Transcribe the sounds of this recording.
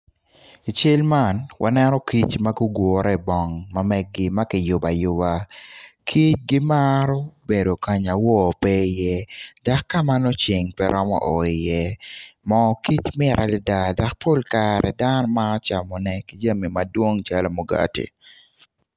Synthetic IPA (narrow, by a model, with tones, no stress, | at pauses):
i˨t͡ʃe˦lma˦˨nwʔa̰˨nɛnɔ˦ki˦t͡ʃma˦ɡu˦ɡwɔ˨ɾɛ˦bɔ˨ŋma˨mɛ˦ɡːɪ˦ma˦kɪ˨jʊ˨ba˨jʊ˦ba˨kʰi˦t͡ʃ̚ɡɪ˦maɾɔ˦be˨do˨ka˨ɲa˨wɔ˦˨pɛ˦jɛ˦da˨kːa˦ma˦nɔ˦t͡ʃɪ˨ŋpɛɾʔɔ˦mɔ̰˦ʔɔ˨i˨jɛ˦mɔ˨ki˦t͡ʃmɪɾʔa˨lɪ˦da˨da˨k̚pʰo˦lka˨ɾɛ˨da˦nɔ˦ma˦ɔ˦t͡ʃa˨mɔ˨nɛki˦d͡ʒa˦mi˨ma˨dwo˦ŋt͡ʃa˦lo˨mo˨ɡa̰˦tḭ˨